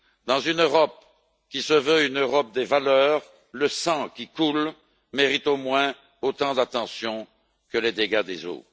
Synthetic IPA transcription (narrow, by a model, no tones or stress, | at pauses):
d̪ɑ̃zynøʁɔp̚ | kʲisəvøynøʁɔp̚d̪evalœːʁ | ləsɑ̃kʲikul | meʁit̪omwɛ̃ | ot̪ɑ̃d̪at̪ɑ̃sjɔ̃ | kəled̪eɡad̪ḛzo̰